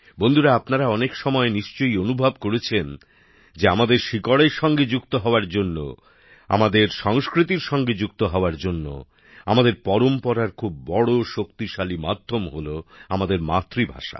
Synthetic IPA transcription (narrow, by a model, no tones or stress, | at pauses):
bond̪ʱuɾaapnaɾaɔnekʃɔmɔeniʃt͡ɕojonubʱabkoɾet͡ɕʰen | d͡ʑeamad̪eɾʃikoɽeɾʃɔŋɡed͡ʑukt̪oɦɔoaɾd͡ʑonːo̰ | a̰mad̪eɾʃɔŋskɾit̪iɾʃɔŋɡed͡ʑuk̚t̪oɦɔoaɾd͡ʑonːo̰ | amad̪eɾpɔɾompɔɾaɾkʰubːɔɽoʃokt̪iʃalimad̪ʱːomɦoloamad̪eɾmat̪ːɾibʱa̰ʃa̰